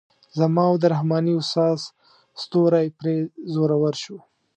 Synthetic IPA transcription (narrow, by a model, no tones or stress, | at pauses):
zamɑwd̪əɾahmɑniʊst̪ɑz | st̪oɾajpɾezoɾawəɾʃu